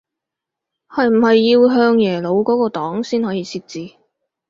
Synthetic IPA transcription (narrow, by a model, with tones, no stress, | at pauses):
hɐ˨jm̩˨˩hɐ˨jːiː˧wɦœː˧ŋjɛː˨˩lo˨˧wkɔː˨˥kɔː˧t̪ɔː˨˥ŋsiː˥nhɔː˨˥jiː˨˧sʰiː˧t̚t͡siː˧